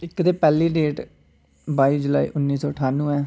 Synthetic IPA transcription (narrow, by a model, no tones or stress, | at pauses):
ɪkd̪eːpɛːliːɖeːʈ | baːiːd͡ʒʊla̰ːḭːʔʊnːiːsɔːəʈʰaːnːũːɛː